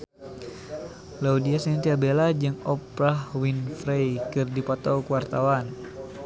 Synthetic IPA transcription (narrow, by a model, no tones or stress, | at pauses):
laudiasint̪iabelad͡ʒɨŋɔpɾahwinfɾejkɨrdipɔt̪ɔwkuwart̪awan